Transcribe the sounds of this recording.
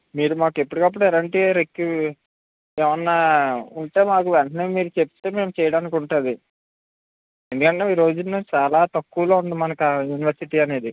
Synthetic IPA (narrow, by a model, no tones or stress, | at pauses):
miːɾumaːke̞pːuɽikɐp̬ːuɽuɛlɐɳʈiɾekːu | eːʋɐnːaːuɳʈe̞ːmaːk̬uʋɛɳʈɐneːmiːɾut͡ʃep̚t̪eːme̞ːmut͡ʃɛːjɐɽaːnikuɳʈund̪i | e̞nd̪ukɐɳʈe̞ːiːɾo̞ːd͡ʒunːɐt͡ʃaːlaːt̪ɐkːuʋloːund̪imɐnɐkajuniʋɐɾsiʈiːɐne̞ːd̪i